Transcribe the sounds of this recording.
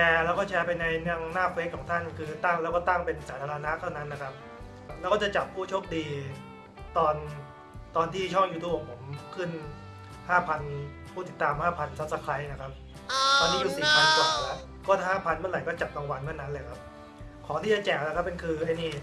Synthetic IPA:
t͡ɕʰɛː˧lɛː˦˥wkɔː˥˩t͡ɕʰɛː˧pa˧jna˧jna˧ŋnaː˥˩fʰle˦˥kʰɔː˩˦ŋt̪ʰa˥˩nkʰɯː˧t̪a˥˩ŋlɛ˦˥wkɔ˥˩t̪a˥˩ŋpe˧nsaː˩˦t̪ʰaː˧ɾa˧na˦˥ʔt̪ʰa˥˩wna˦˥nːa˦˥kʰa˦˥p̚ | lɛː˧˦˥wkɔː˥˩t͡ɕa˨˩t͡ɕa˨˩p̚ʰːuː˥˩t͡ɕʰo˦˥p̚diː˧ | t̪ɔː˧n | t̪ɔː˧nt̪ʰiː˥˩t͡ɕʰɔ˥˩ŋjuː˧t̪ʰuː˧˩po˨˩pʰo˩˦mkʰɯ˥˩n | haː˥˩pʰa˧n | pʰuː˥˩t̪i˨˩t̪ːaː˧mhaː˥˩pʰa˧nsa˦˥t̚sa˧˦kʰɾa˦˥jna˦˥˩kʰa˦˥p̚ | t̪ɔː˧nʰiː˥˩juː˨˩siː˨˩pʰa˧nkwaː˨˩˨lɛ˦˥ | kɔː˥˩t̪ʰa˥˩ɦaː˥˩pʰa˧nmɯ˥˩nla˨˦jkɔː˥˩t͡ɕa˨˩p̚ka˧ŋwa˧nmʰɯ˥˩nːa˦˥nlɤː˧jkʰa˦˥p̚ | kʰɔː˩˦ŋt̪ʰiː˥˩t͡ɕa˨˩t͡ɕɛː˨˩k̚na˦˥kʰa˦˥pːe˧nkʰɯː˧ʔa˧˥˩jniː˥˩

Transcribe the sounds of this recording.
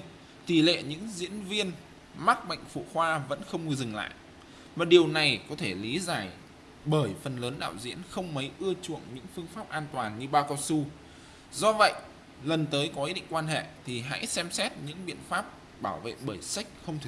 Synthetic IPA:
t̪i˧˩lḛ˧˨ɲɨ̰˧˥ŋzḭ˧˥ənvi˧ən | ma˦˥k̚ɓə̰˧˨jŋ̟fṵ˧˩xwaː˧və̰˧˥nxə˧wŋ͡mɨ˧zɨ˨˩ŋla̰ː˧˨j | maː˨˩ɗi˨˩əwna˨˩jkɔ˨˦t̪ʰe˧˩li˨˦zaː˨˩j | ɓəː˧˩jfə˨˩nləː˨˦nɗa̰ː˧˨wzḭ˧˥ənxə˧wŋ͡mmə˨˦jʔɨ˧ət͡ɕṵ˧˨əŋɲɨ̰˧˥ŋfɨ˧əŋfaː˦˥p̚ʔaː˧nt̪waː˨˩nɲɨ˧ɓaː˧wkɔ˧wsu˧ | zɔ˧və̰˧˨jʔ | lə˨˩nt̪əː˨˦jkɔ˨˦ʔi˦˥ɗḭ˧˨ŋ̟kwaː˧nɦḛ˧˨t̪ʰi˨˩ɦa̰˧˥jsɛ˧msɛ˦˥t̚ɲɨ̰˧˥ŋɓḭ˧˨ənfaː˦˥p̚ | ɓaː˧˩wvḛ˧˨ɓəː˧˩jsa˦˥k̟̚xə˧wŋ͡mt̪̚ʰ

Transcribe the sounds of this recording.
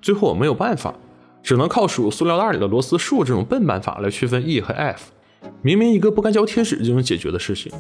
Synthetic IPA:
t͡swe˥˧ɪxo˥˩ʊwɔ˨˩me˧˥jo˨˩ʊpa˥˩nfa̰˨˩˦ | ʈ͡ʂɻ̩˨˩nɤ˧˥ŋkʰɑ˥˩ʊʂu˨˩su˥ljɑ˥˧t̪a˥˩i˨˩ə˦lwɔ˧˥sɹ̩˥ʂu˥˧ʈ͡ʂɤ˥˩ʈ͡ʂʊ˨˩ŋpə˥˩npa̰˥˩nfa̰˨˩la̰˧˥ɪt͡ɕʰy˥˧fə˥ni˥˩xə˧˥ʔɛ˥˩f | mi˧˥ŋmi˧˥ŋi˧˥ɡə˧pu˥˩ka˥nt͡ɕjɑ˥ʊt̪ʰjɛ˥ʈ͡ʂɻ̩˨˩ʈ͡ʂt͡ɕo˥˩nʊ˧˥ŋt͡ɕjɛ˨˩t͡ɕɥɛ˧˥d̪ə˧ʂɻ̩˥˩t͡ɕʰḭ˨˩ŋ

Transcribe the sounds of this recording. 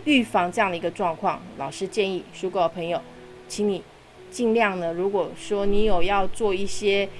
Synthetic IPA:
y˥˩fɑ˥˩ŋʈ͡ʂɤ˥˧jɑ˥˩ŋd̪ə˩i˧˥ɡə˧ʈ͡ʂwɑ˥˧ŋkʰwɑ˥˩ŋlɑ̰˨˩ʊʂɻ̩˥t͡ɕjɛ˥˧ni˥˩ʂu˥ko˥˩pʰɤ˧˥ŋjo˨˩ʊ | t͡ɕʰi˧˥ŋni˨˩ | t͡ɕi˥˧ŋljɑ˥˩ŋnə˩ɻu˧˥kwɔ˨˩ʂwɔ˥ni˧˥jo˨˩ʊjɑ˥˧ʊt͡swɔ˥˧i˥˩ɕjɛ˥

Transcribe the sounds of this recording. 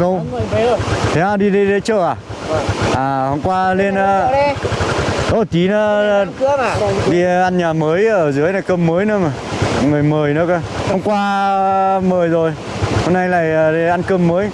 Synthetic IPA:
kə˧wt̪ʰe˨˦aː˧˩ɗi˧ɗi˧ɗe˨˦t͡ɕəː˧˩ʔaː˨˩˨ | ʔaː˨˩˨ho˧wŋ͡mkwaː˧li˧əna˧ | ɗo˧˩t͡ɕi˨˦na˨˦˧ | ɗi˧ʔa˧nɲaː˨˩məː˨˦jʔəː˧˩zɨ˨˦jna˨˩kə˧mːəː˨˦jnɨ˨˦mː˨˩ | ŋɨ˨˩əjməː˨˩jnɨ˨˦kəː˧ | ho˧wŋ͡mkwaː˧ | məː˨˩jzo˨˩j | ho˧mna˧jla̰ː˨jə˨˩˧ʔa˧nkəː˧mːəː˨˦j

